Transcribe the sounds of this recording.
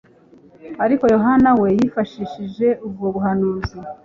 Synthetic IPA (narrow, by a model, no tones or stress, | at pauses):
aɾiko̞jo̞ɦanawe̞jifaʃiʃiʒe̞ʔub̚ɡoβuɦanuːzi